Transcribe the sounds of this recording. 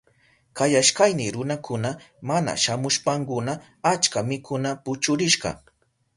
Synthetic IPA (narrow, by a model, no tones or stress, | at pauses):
kajaʃkajnɪɾʊnakʰʊna | mana̰ʃamʊʃpaŋkʊna | at͡ʃkamɪkʰʊnapʊt͡ʃʊɾɪʃɢɑ̰